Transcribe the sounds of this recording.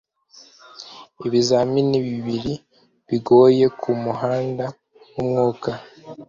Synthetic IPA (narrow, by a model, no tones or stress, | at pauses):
iβizaminiβiβiɾi | βiɡo̞ːje̞kʰumuɦaːnda | wumŋuːka